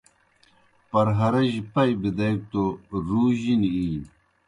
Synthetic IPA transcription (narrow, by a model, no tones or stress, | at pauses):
pɐɾɦɐɾɐʑipɐjbid̪ɐjk̚t̪oɾuːʑiniiːn